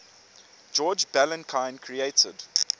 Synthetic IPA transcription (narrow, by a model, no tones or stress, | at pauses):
d͡ʒɔːd͡ʒbɛlə̃nkʰãɪ̃nkʰɹieɪtʰəd̥